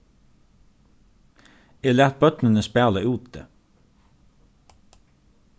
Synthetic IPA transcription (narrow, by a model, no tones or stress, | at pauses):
eːlæːt̪̚bœt̪nənəspæːləʉːt̪̚d̪ḛː